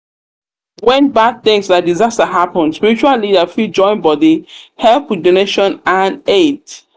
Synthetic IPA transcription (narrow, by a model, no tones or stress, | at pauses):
wɛ̃nbad̪̚θɪ̃ŋsðədizastəɦapə̃nspiɹit͡ʃuallidəfid͡ʒɔ̃ɪ̃nbɔdihɛlpwidoneʃɔ̃nãnet